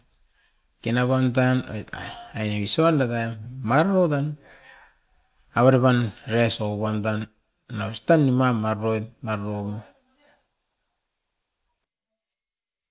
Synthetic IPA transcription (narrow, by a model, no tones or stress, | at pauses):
kenaβantano̰ajnaβisoandataemaɾɾotan | aβaɾeβanɾesoβamtan | nastanːimamaɾojtmaɾɾoɡo